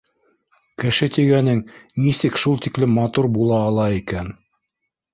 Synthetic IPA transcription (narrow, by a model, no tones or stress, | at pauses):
kɘ̆ʃɘt̪iɡænɘŋnisɘkʃulˠt̪iklɘmːɑt̪uɾbulˠɑːlˠɑikæn